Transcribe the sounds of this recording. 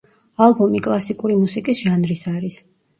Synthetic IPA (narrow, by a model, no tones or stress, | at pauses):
alˠbɔmikʼlˠasikʼuɾimusikʼisʒ̥anɾisaɾis